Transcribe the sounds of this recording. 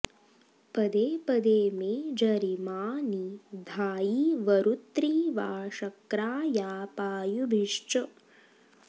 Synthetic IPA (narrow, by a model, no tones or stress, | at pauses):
pɐd̪eːpɐd̪eːmeːd͡ʒɐɾimaːnid̪ʱaːjiʋɐɾut̪ɾiːʋaːʂɐkɾaːjaːpaːjubʱiʂt͡ʃɐ